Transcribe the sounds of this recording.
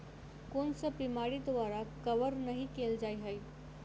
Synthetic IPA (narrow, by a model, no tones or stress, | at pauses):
konsəbimaɾid̪ʋaɾakəʋəɾnəɦikeld͡ʒajɦəj